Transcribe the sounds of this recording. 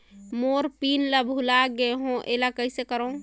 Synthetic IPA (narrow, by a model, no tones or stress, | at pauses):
moɾpinləbʱulaɡeɦõʔelakəisekəɾəũ